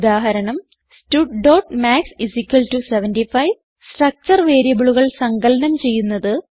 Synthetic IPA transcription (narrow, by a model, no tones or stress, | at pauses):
d̪aːɦɐɾɐɳɐm | stuʈɖoːʈmaːksisikʲːɐltuseʋɐndifɐjʋ | sʈrɐk̚t͡ɕɐrʋe̞ːɾjɐbuɭuɣɐɭsɐŋɡɐlɐnɐmt͡ɕe̞jːunːɐðɨ